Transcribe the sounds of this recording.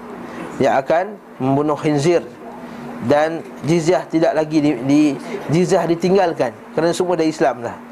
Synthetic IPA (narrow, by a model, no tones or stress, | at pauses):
jaakan | mə̃mbunʊhhinzir | dan | d͡ʒizaht̪idaʔlaɡiidid͡ʒiziahdit̪iŋɡalkankaɾanasəmuadaɾiislamlah